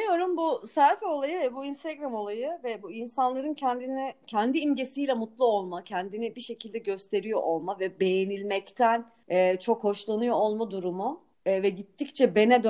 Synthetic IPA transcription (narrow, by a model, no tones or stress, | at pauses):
joɾumbusæɾfo̞lˠajɯvɛbuinst̪ʰeɡɾamo̞lˠajɯvɛbuinsanlˠaɾɯncʰɛnd̪inɛcʰɛnd̪iːmɟe̞sijlʲɛmut̪lˠuo̞lˠmacʰɛnd̪inibiʃe̞cʰilʲd̪ɛɟø̞st̪ʰe̞ɾijo̞ʔolˠmavɛbe̞jenilʲmɛct̪ʰæn | ɛːt͡ʃʰo̞kho̞ʃlˠanujoolˠmad̪uɾumu | vɛɟit̪ʰːict͡ʃʰɛbe̞nɛd̪ø